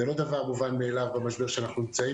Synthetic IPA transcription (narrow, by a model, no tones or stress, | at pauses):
elo̞d̪avaʁmuvanmeːlavbamaʃbe̞ʁʃeanaχnunimt͡sai